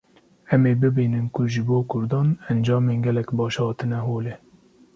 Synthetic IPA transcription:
ɛmeːbɨbiːnɨnkʊʒɨboːkʰʊɾd̪ɑːnɛnd͡ʒɑːmeːnɡʲɛlɛkbɑːʃhɑːt̪ɨnɛɦoːlɛ

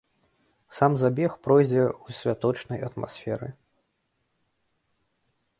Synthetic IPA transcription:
samzabʲɛxpɾɔjd͡zʲɛusʲvʲat̪ɔt͡ʂnɐjɐt̪ma̰sʲfʲɛɾɨ

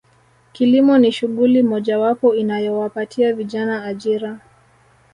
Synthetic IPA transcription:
kilimɔniʃuɠulimɔʄawapɔinajɔwapatʰiaviʄanaːʄiɾa

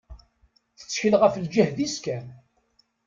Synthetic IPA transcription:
θə̥t͡sːçəlʁəfəld͡ʒəhðiskæn

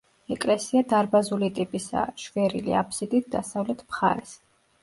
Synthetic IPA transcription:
ɛkʼlɛsiad̪aɾbazulit̪ʼipʼisa̰ʃvɛɾḭlḭapʰsid̪it̪̚ʰd̪asavlɛt̪ʰmχa̰ɾɛs

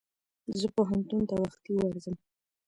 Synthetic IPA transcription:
zəpoɦant̪unt̪awaxt̪iwaɾzəm

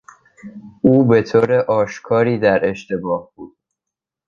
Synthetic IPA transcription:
ʔuːbe̞t̪ʰoːɾeʔɒːʃkʰɒːɾiːd̪æɾe̞ʃt̪ebɒːhb̥uːd̪̥̚

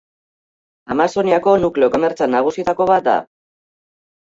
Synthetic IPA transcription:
amaso̞niako̞nukle̞o̞ko̞me̞ɾt͡sanːaɣ̞usit̪ako̞βat̪̚d̪a̰

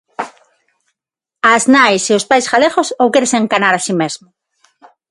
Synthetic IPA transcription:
aznajseospajsxaleɣosowkeɾeseŋkanaɾasimezmʊ

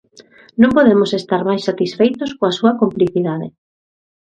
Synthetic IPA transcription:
nõmpoðemosest̪aɾmajsat̪isfejt̪oskoasuɐkompliθiðaðɪ̰

